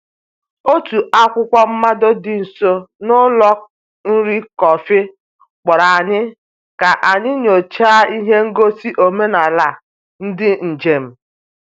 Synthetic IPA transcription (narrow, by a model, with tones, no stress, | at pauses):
o˦tu˨a˦kʷʊ˦kʷɔ˦m̩˦ma˦do˦dɪ˨n̩˨so˦nʊ˦lɔ˦k̚ | n̩˦ɾi˦kɔ˨fɪ˦ | k͡pɔ˨ɾa˨a˨ɲɪ˦ | ka˨ʔa˨ɲɪ˦ɲo˨t͡ʃa˦i˦ɦe˦ŋ̩˦ɡo˦si˦ʔo˨me˦na˨la˨ | n̩˦dɪ˦n̩˨d͡ʒe˨m̩˦